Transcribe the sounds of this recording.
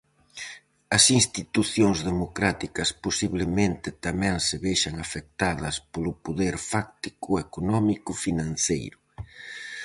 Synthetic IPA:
ɐsinst̪it̪uθjoŋzðemokɾat̪ikɐsposiβlemẽnt̪ɪt̪amɛ̃ŋsɪβejʃɐŋafek̚t̪aðɐspolʊpoðɛɾfak̚t̪i̥kʊekonɔmikʊfinãn̟θejɾʊ

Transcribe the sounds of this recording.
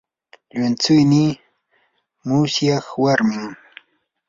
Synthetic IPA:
ʎʊnt͡sʊjni | mʊsjɑχwaɾmɪŋ

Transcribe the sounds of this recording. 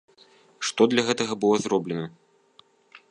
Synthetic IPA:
ʂt̪ɔd̪lʲɐɣɛt̪ɐɣɐbɨlˠɔzrɔblʲɛnɐ

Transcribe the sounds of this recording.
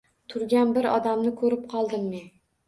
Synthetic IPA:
t̪ʰʊɾɡʲanbɪɾɒ̰d̪amnɪkʰɵɾɪp̚qʰɒlˠd̪ɪmːen

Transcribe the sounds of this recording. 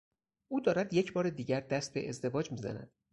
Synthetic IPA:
ʔuːd̪ɒːɾæd̪je̞cʰbɒːɾed̪iːɟæɾd̪æst̪̚be̞̰ʔezd̪e̞vɒːd͡ʒmiːzæ̰næ̰d̪̥

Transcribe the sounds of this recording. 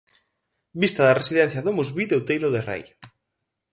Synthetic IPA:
bist̪aðaresiðɛnθjaðomuzβiðewt̪ejloðerḛj

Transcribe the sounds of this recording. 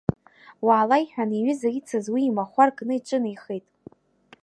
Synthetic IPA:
waːlajħᶣaniɥʏzait͡sʰazwiːmaχʷarɡʼnɨiʈ͡ʂʼɨnajχejtʼ

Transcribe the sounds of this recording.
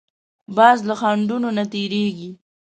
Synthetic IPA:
bɑzlaxaɳɖunonat̪eɾeɡi

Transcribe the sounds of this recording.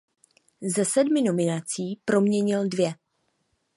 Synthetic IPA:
zɛsɛdmɪno̞mɪnat͡siːpɾo̞mɲɛɲɪldvjɛ

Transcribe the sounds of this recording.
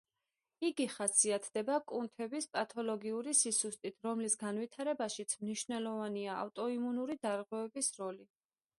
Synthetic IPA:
iɡiχasiat̪ʰd̪̥ɛbakʼunt̪ʰɛbispʼat̪ʰɔlɔɡiuɾisisust̪ʼit̪ʰɾɔmlisɡanvit̪ʰaɾɛbaʃit̪sʰmniʃnɛlˠɔvaniaa̰ft̪ʼɔimunuɾid̪aɾʁwɛvɛbisɾɔli

